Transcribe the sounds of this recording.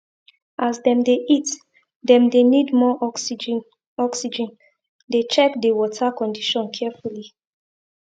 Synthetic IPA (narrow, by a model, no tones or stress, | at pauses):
ʔazdɛ̃mdeʔit | dɛ̃mdenidmɔʔɔsd͡ʒ | ɔksid͡ʒɛ̃n | det͡ʃɛkdewɔtʰakɔ̃ndiʃɔ̃nkʰɛfuli